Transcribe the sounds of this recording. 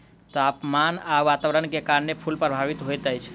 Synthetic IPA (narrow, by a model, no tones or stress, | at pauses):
t̪ɔapmanaʋat̪aʋəɾənkekaɾənepʰulpɾəbʱaʋit̪ɦojt̪əjt͡ʃʰ